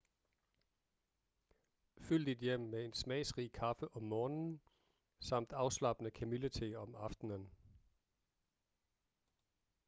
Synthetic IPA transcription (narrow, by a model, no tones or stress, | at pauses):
fyl̰d̥id̥jem̰mee̝nsmɛ̰ːɪsʁiːkʰɑ̈fəʔɒ̽mːɒːnn̩ | sɑ̈m̰d̥ɑ̈ʊslɑ̈b̥ənəkʰæmilət͡sʰeɒ̽mɑ̈fd̥nən